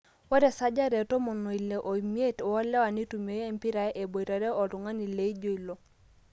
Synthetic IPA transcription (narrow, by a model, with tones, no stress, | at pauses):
wɔ˦ɾɛ˨sa˦d͡ʒa˦ɾɛ˨tɔ˦mɔ˨no˨i˨le˨ʔo˨i˨mi˦e˦tɔ˦lɛ˦wa˨ni˦tu˨me˨˦e˦mpi˦ɾa˨jʔe˨bo˨i˨ɾa˨ɾɛ˦ʔɔ˨lu˨ŋa˦ni˨le˨˦i˦d͡ʒo˦i˨lo˨